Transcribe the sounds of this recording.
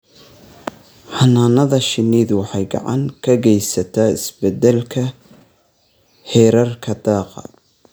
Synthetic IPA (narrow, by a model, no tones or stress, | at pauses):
ħɑnaːnɐðɐʃɪniːðwɑħɑjɡɑ̰ʕɑ̰ŋkʰɐɡɛjsɐt̪ʰaɪ̰sbɛd̪ɛlkʰɐ | hɛːɾɐrkʰɐd̪ɑːqɑ̰